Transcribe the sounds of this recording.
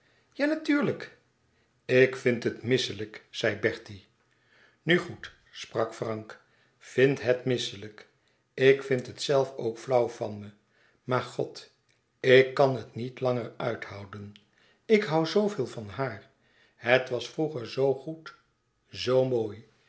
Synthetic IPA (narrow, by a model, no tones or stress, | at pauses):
jaːnatyːɹlək | ɪkfɪntɦətmɪsələkz̥ɛjbɛɹti | nyχut | sprɑkfrɑŋk | fɪntɦətmɪsələk | ɪkfɪntɦətsɛlˠfo̰wkflʌwvɑnmə | maːɹχɔ̰t | ɪkːɑnɦətnitlɑŋərœɥthʌwdən | ɪkɦʌwzowvɪːlˠvɑnɦaːr | hətʋɑsfruχəɹzowχut | zowmoːj